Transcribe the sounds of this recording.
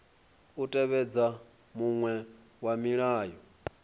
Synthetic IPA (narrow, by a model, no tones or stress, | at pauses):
utʼɛβɛd͡za | muŋwɛ | wamiɺaːjɔ